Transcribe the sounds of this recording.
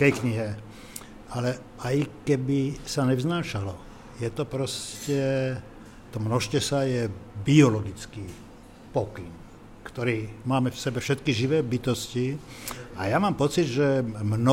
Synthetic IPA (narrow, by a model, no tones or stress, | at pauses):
kɛjkɲiɦɛ | alɛ | ajkɛbisaɲɛvznaːʃalɔ | jɛt̪ɔpɾɔscɛ | t̪ɔmnɔʃcɛsajɛbiɔlɔɡit͡skiː | pɔkiŋ | kt̪ɔɾiːmaːmɛfsɛbɛfʃɛt̪kiʒiʋɛːbit̪ɔsci | ajamaːmpɔt͡sid̪ʒɛmnɔ